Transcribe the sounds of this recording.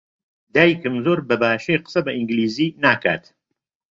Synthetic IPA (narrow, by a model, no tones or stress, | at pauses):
d̪aːjkɨmzoɾbɐbaːʃejqə̥sɐbɐʔiŋɡliːziːnaːka̰ːt̪